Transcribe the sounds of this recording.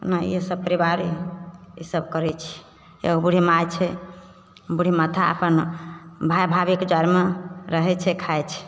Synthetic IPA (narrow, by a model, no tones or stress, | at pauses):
najesəb̚pəɾibaɾiḭsəbkəɾɛt͡ʃʰɛ̥ | ḛɡobuɽ̤imajt͡ʃʰɛ | buɽ̤ʱimat̪ʰaə̰pənbʱajbʱabikd͡ʒaɾmeɾəɦɛt͡ʃʰɛkʰajt͡ʃʰɛ̥